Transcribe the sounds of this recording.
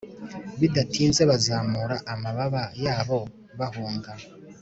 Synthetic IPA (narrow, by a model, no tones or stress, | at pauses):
βidatʰiːnzeβazaːmuɾaʔamaβaβajaːβo̞ | βahuːŋɡa